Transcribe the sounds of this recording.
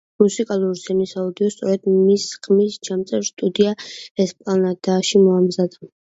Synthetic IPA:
musikʼalˠuɾz̥ɛnisaud̪iɔst̪sʼɔɾɛd̪misχmisd͡ʒamt̪sʼɛɾst̪ʼud̪iaɛspʼlanad̪aʃimɔamzad̪a

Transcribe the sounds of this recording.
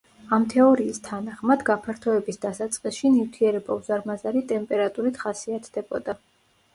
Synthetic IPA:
amt̪ʰɛɔɾiːst̪ʰanaχmad̪ɡapʰaɾt̪ʰɔɛbisd̪asat̪sʼqʼisʃinift̪ʰiɛɾɛbauzaɾmazaɾit̪ʼɛmpʼɛɾat̪ʼuɾit̪ʰχasiat̪ʰd̪ɛbɔd̪a

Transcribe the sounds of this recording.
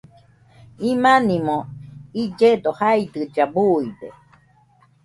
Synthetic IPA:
imanimoid͡ʒed̪ohaid̪ɨd͡ʒabuide

